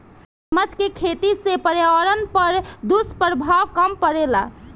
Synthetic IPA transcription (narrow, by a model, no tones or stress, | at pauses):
səməd͡ʒkekʰet̪isẽpəɾjaʋəɾənpəɾd̪uspəɾbʱawkəmpəɾela̰